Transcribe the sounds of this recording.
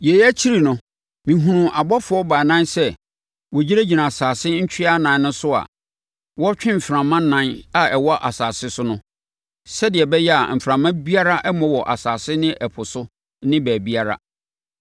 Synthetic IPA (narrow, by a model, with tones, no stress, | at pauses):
jɛ˨jæ˦t͡ɕʰi˦ɾi˨nʊ̃˨ | mĩ˨ɦũ˨nũ˨ʔa˨bɔ˦fʊ˨˦ɔ˦ba˨nã˦nsɛ˦ | wɔ˨d͡ʑi˦ɾæ˦d͡ʑi˨nã˨saː˨sɪ˦ɲ̩˦t͡ɕʰᶣi˦a˦nã˨n˦nʊ̃˦sʊ˦a̰˨ | wɔ˦t͡ɕᶣɪ̃˦m̩˨fɾã˨mːã˦nã˦na˨ɛ˨wɔ˦ʔa˨saː˨sɪ˦sʊ˦nʊ̃˦ | sɛ˦dɪ˨ɛ˨bɛ˦jɛ˦a̰˨m̩˨fɾã˨mːã˦bi˦a˦ɾa˦ʔɛ˦mɔ̃˦wɔ˨ʔa̰˨saː˨sɪ˦nɪ̃˦ʔɛ˨pʰʊ˨sʊ˦ | nɪ̃˦bæː˨bi˦a˦ɾa̰˦